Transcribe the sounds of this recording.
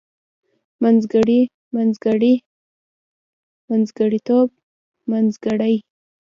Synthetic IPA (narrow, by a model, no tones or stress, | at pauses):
manzɡaɽi | manzɡaɽi | manzɡaɽit̪ob̚ | manzɡaɽaj